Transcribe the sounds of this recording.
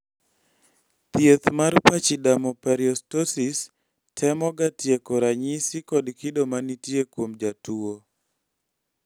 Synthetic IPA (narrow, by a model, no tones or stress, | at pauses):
t̪jet̪marpat͡ʃidamɔpɛɾiɔstosis | tʰɛmɔɡatjekɔɾaɲisikɔdkɪdomanitjekwomd͡ʒatuo